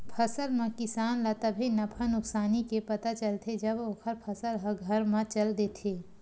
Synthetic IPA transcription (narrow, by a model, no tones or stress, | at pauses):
pʰəsəlmẽkɪsaːnlat̪əbʱinɐpʰənʊksaːnikepɐt̪at͡ʃəlt̪ʰed͡ʒɐboːkʰəɾpʰəsəlɦɐɡʱəɾmãt͡ʃəld̪eːt̪ʰeː